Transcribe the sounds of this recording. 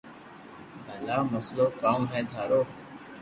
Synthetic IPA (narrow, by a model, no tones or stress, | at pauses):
bəlaːməsloːkaːmɦɛ̃ːd̪ʱaːɾoː